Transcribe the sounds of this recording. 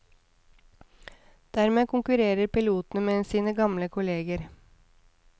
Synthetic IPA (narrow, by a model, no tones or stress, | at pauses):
d̪̥æɾmeːkʊŋkʉɾeːɾəɾpɪluːt̪n̩əmeːsiːnəɡɑmləkʰʊleːɡəɾ